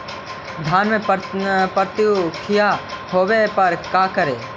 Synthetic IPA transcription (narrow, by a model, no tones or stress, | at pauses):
d̪ʱaːnmẽ | pəɾt̪jukʰɪjahoːwepɐɾkaːkəɾeː